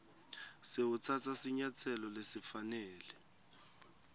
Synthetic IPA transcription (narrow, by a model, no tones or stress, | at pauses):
sewut͡sʰat͡sʰasiɲat͡sʰɛlɔlesifanɛːlɛ